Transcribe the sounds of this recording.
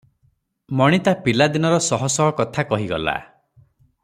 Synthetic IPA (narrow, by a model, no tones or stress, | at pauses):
mɔɽ̃it̪apilad̪inɔɾɔsɔɦɔsɔɦɔkɔt̪ʰakɔɦiɡɔ̰la̰